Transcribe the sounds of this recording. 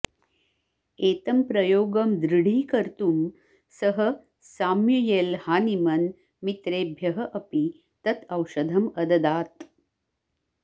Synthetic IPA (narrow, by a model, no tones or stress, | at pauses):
eːt̪ɐmpɾɐjoːɡɐmd̪ɾiɽ̤iːkɐɾt̪um | sɐɦɐ | saːmjujeːlhaːnimɐn | mit̪ɾeːbʱjɐɦɐʔɐpi | t̪ɐt̪ɐwʃɐd̪ʱɐmɐd̪ɐd̪aːt̪